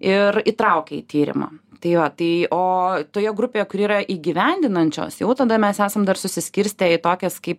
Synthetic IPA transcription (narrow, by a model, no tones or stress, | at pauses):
ɪrit̪ɾɐʊkʲɛḭt̪ʲiːɾʲɪ̰mɐ̰ːt̪ɐɪʋɐt̪ɐɪoːt̪oːjɛɡɾʊpʲeːjɛkʊɾiːɾɐʔiːɡʲiʋʲɛnʲd̪ʲɪnɐnʲt͡ʃʲo̰ːsjɛʊt̪ɐd̪ɐmʲɛsæːsɐmd̪ɐrsʊsʲɪsʲkʲɪɾʲsʲt̪ʲɛɪt̪oːkʲɛskɐɪp